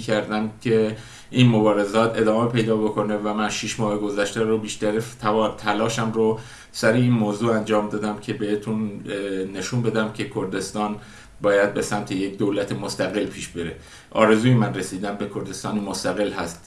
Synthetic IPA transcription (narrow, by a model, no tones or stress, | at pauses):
kʰæɾd̪æncʲʰe̞ | ʔinmo̞bɒːɾe̞zɒːt̪ʰe̞d̪ɒːme̞pʰe̞jd̪ɒːbo̞kʰo̞ne̞væmænʃiʃmɒːheɡo̞zæʃt̪eɾobiːʃt̪æɾet̪ʰːt̪ʰælɒːʃæmɾo | sæɾeiːnmoːzuːænd͡ʒɒːmd̪ɒːd̪æmcʰe̞behet̪ʰunne̞ʃunbe̞d̪æmcʰe̞kʰoɾd̪e̞st̪ɒːn | bɒːjæd̪̚be̞sæmt̪ʰejek̚d̪oːlæt̪ʰemost̪æɣe̞lpʰiːʃbeɾe | ʔɒ̰ːɾe̞zuːjemænresiːd̪æmbe̞kʰo̞ɾd̪e̞st̪ɒːnimost̪æɣe̞lɦæst̪